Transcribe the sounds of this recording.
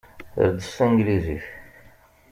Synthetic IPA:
θə̰ɾd̪əsæ̃ŋɡlizḭç

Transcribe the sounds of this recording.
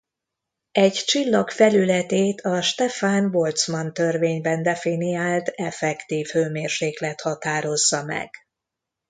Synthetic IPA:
ɛɟt͡ʃilːɒkfɛlylɛt̪eːt̪ʰɒʃt̪ɛfaːnvo̞lt̪smɒnt̪ø̞rveːɲbɛnd̪ɛfinijaːlt̪ɛfɛkt̪iːfhøːmeːrʃeːklɛt̪hɒt̪aːɾo̞zːɒmɛ̰ɡ̥

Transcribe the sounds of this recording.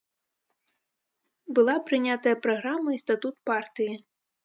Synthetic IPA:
bɨlˠapɾɨnʲat̪ɐjɐpɾaɣɾamːɐist̪at̪ut̪part̪ɨji

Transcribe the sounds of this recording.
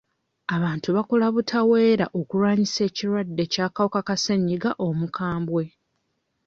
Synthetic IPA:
aβaːntuβakolaβutʰawe̞ːɾaʔokuɾwaːɲise̞ːciɾwadːe̞caːkawokakaseɲːiɡaʔo̞mukʰaːmbwe̞

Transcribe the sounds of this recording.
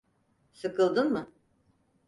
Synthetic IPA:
sɯkʰɯlˠd̪ɯnmɯ

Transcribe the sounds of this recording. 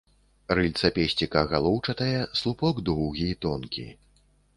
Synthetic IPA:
rɨlʲt̪sɐpʲɛsʲt͡sʲikɐɣalˠɔwt͡ʂɐt̪ɐjɛslˠupɔɡd̪ɔwɣʲit̪ɔnkʲḭ

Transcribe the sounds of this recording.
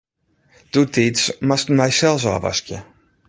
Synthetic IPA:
d̥utitsmastmɛjsɛlˠsa̰va̰skjə

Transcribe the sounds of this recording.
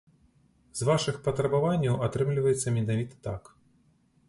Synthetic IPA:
zvaʂɨxpɐt̪ɾɐbavanʲːɐwʔat̪ɾɨmlʲivɐjɛt̪sːɐmʲɛnavʲit̪ɐ̥t̪ak

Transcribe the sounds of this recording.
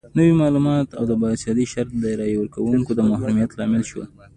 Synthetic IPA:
nəwimɑlumɑt̪a̰wd̪əbɑsjɑd̪iʃaɾt̪̚d̪əɾɑjwəɾkawuŋkod̪əmahɾumjat̪lɑmɪlʃwə̰l

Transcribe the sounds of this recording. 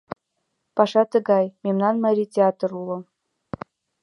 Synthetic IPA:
pɑʃɑt̪ə̆ɡɑjmemnɑnmɑɾʲit̪ʲeɑt̪rulˠɤ̆

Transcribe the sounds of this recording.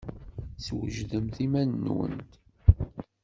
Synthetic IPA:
swəʒðəmθimænːwə̰nt̪

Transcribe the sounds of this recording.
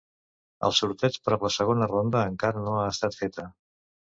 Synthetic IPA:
ə̰lˠsuɾt̪ɛt͡ʃpɾɔpləsəɣ̞onərond̪əːŋkaɾənoaəst̪at̪fet̪ə

